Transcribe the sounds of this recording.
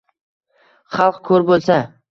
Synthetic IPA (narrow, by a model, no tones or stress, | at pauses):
χɑlˠqkʰɵɾbolˠsa